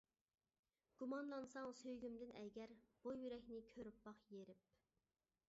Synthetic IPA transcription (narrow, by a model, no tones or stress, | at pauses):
ɡ̥umɑnlˠɑnsɑŋsøjɡʲymd̪ɪnɛɡʲɛɾb̥ujyɾɛkʲnɪkʲʰøɾypbɑχjeɾɪp̚